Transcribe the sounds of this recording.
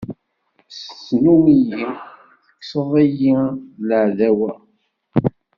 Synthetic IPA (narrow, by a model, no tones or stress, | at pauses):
sə̥t͡sːnumiji | θə̥kːsəðˤijiləʕðæwæ